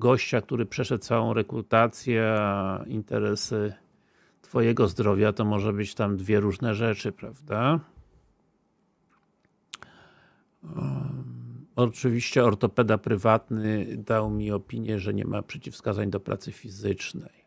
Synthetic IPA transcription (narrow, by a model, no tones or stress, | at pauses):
ɡɔɕt͡ɕak̚t̪uɾɘpʂɛʂɛt̪̚t̪sawɔ̃w̃ɾɛkɾut̪at̪sʲjɛint̪ɛ̰ɾɛsɘ | t̪fɔjɛɡɔzd̪ɾɔvʲjat̪ɔmɔʐɛbɘt͡ɕt̪amd̪vʲjɛɾuʐnɛʐɛt͡ʂɘpɾavd̪a | ɔt͡ʂɘvʲiɕt͡ɕɛɔɾt̪ɔpɛd̪apɾɘvat̪nɘd̪awmʲiɔpʲiɲjɛʐɛɲɛ̰mʔa̰pʂɛt͡ɕifskazaɲd̪ɔpɾa̰t̪sɘfʲizɘt͡ʂnɛj